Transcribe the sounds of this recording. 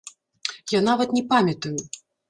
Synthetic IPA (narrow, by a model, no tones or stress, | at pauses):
janavɐt̪nʲɛpamʲɐt̪ɐju